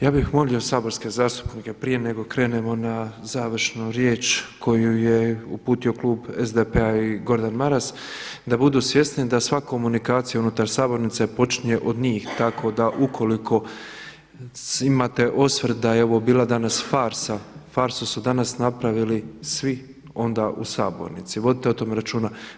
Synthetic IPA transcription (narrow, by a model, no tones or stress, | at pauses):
jaːbixmo̞lio̞saːbo̞ɾske̞zaːst̪u̥pnike̞pɾije̞ne̞ɡo̞kɾe̞ːne̞mo̞nazaːʋr̩ʃnuɾjeːt͡ʃkʰo̞juje̞upuːt̪io̞klˠuːbezd̪epeaiɡo̞ɾd̪anmaɾas | d̪abud̪uːsʋje̞st̪nid̪asʋako̞munikaːt̪sijaunut̪aɾsaːbo̞ɾnit̪sepo̞t͡ʃiɲe̞ʔo̞d̪ɲiːxt̪akʰo̞d̪aʔukʰo̞likʰo̞ | imat̪e̞ʔo̞sʋrt̪d̪ajeoʋobiːlˠad̪anasfaːɾsafaːɾsusud̪anasnapɾaʋilisʋi | o̞nd̪aʔusa̰ːbo̰ɾnit̪siʋo̞d̪it̪eot̪o̞meɾat͡ʃuːna